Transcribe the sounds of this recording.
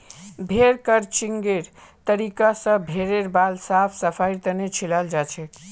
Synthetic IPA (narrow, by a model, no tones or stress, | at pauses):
bʱeɾkəɾt͡ʃiŋɡeɾt̪əɾikasə̃bʱeɾeɾbalsapʰsəpʰajɾt̪ənet͡ʃʰilald͡ʒat͡ʃʰɛ